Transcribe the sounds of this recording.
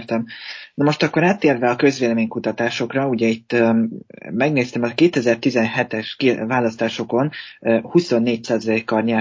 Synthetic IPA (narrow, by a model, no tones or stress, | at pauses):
rt̪ɛmnɒmo̞ʃt̪ɒkːo̞ɾaːt̪ːeːrvɛɒkø̞zʋeːlɛmeːɲkut̪ɒt̪aːʃo̞krɒuɟɛit̪ː | mɛɡneːst̪ɛmɒkeːt̪ɛzɛrt̪izɛnɦɛt̪ɛʃkivaːlɒst̪aːʃo̞ko̞nːhuso̞nːeːcsaːzɒlekːɒrɲɛ